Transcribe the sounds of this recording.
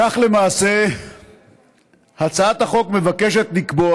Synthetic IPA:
aχle̞maːse̞ | hat͡saat̪haχo̞kme̞vake̞ʃe̞t̪likbo

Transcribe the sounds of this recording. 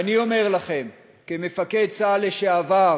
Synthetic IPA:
anio̞me̞ʁlaχe̞m | kemefake̞d̪̚t͡saleʃeava

